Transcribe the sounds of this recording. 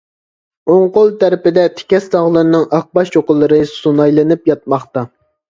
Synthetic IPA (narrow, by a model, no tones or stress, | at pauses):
oŋqolˠt̪ʰæɾɪpɪd̪ɛt̪ʰe̥kʲɛst̪ɑʁlˠɨɾnɨŋɑq̚bɑʃjoqʊlˠːɨɾɨsunɑjlˠɨnɨpjɑt̪̚mɑχt̪ɑ